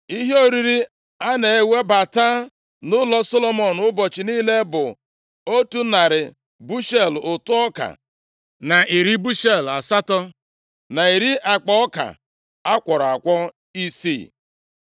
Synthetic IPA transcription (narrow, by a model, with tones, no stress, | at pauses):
i˦ɦe˦o˦ɾi˦ɾi˦ | a˦ne˨e˦we˦ba˨ta˦ | nʊ˦lɔ˦sɔ˦lɔ˦mɔ˦˨n˨ʊ˦bɔ˨t͡ʃi˨niː˦le˦bʊ˨ | o˦tu˦na˨ɾɪ˨ | bu˦ʃe˦˨lʊ˨tʊ˦ɔ˦ka̰˨ | na˨ʔi˨ɾi˦bu˦ʃe˦˨la˨sa˦tɔ˦ | na˨i˨ɾi˦ʔa˨k͡pɔ˦ɔ˦ka̰˨ | a˦kʷɔ˨ɾa˨kʷɔ˦ | i˦sḭ˦˨